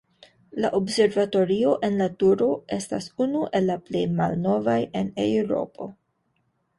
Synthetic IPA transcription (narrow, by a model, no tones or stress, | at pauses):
laʔobse̞ɾvato̞ɾio̞ʔe̞nlatuɾo̞e̞sta̰sunuʔe̞lːaplejma̰lno̞vajenḛwɾo̞̰po̞̰